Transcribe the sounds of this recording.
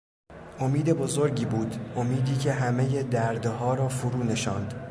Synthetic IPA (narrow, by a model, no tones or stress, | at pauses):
ʔo̞miːd̪e̞bo̞zo̞ɾɟiːbuːd̪o̞miːd̪iːcʰe̞ɦæme̞je̞d̪æɾd̪ɦɒːɾɒːfoɾuːne̞ʃɒːnd̪̥